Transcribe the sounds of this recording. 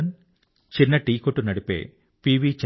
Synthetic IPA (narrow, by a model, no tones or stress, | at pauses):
ɐn | t͡ɕinːɐʈiːkoʈːunɐɽupːḛː | piːʋit͡ɕ